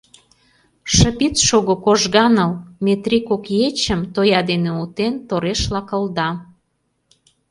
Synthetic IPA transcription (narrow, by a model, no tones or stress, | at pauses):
ʃə̆pit͡sʃoɣokoʒɣɑnə̆lmet̪ɾikokjet͡ɕəmt̪ojɑd̪eneut̪ent̪oɾeʃlɑkə̆ld̪ɑ